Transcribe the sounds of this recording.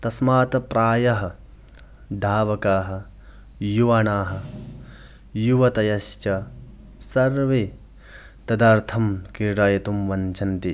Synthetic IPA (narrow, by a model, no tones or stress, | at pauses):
t̪ɐsmaːt̪ɐpɾaːjɐɦɐ̆ | d̪ʱaːʋɐkaːɦɐ̆ | juʋɐːɳaːɦɐ̆ | juʋɐt̪ɐjɐʃt͡ʃɐ | sɐɾʋe | t̪ɐd̪aːɾt̪ʰɐmkiɾɾaːjɐt̪umʋɐɲt͡ʃʰɐnt̪i